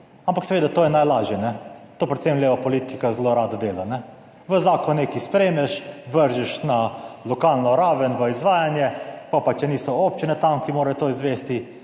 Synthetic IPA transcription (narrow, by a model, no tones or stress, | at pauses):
ampaksɛʋeːd̪at̪oːjɛnajlaːʒjɛnɛt̪oːpɾɛt̪semlʲeːʋapɔlit̪ikazloɾaːd̪ad̪eːlanɛ | ʋəzaːkɔnekispɾemɛʃʋəɾʒɛʃnalɔkalnɔɾaːʋənʋəizʋaːjanjɛkɔpat͡ʃɛniːsɔopt͡ʃinɛt̪amkimoːɾajt̪oːizʋeːst̪i